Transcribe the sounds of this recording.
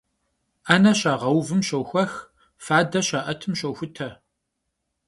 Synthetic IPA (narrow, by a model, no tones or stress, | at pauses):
aːnɐɕaːʁɐwvɨmɕɐwxʷɐx | faːdɐɕɐʔɐtʰɨmʃɐwxʷʊtʰɐ